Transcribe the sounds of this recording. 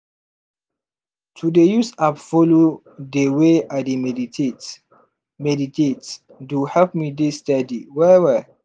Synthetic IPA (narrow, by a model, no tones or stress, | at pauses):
tʰudejusapfolo | deweademie | mɛditet | duhɛlp̚midisːtadiwɛwɛ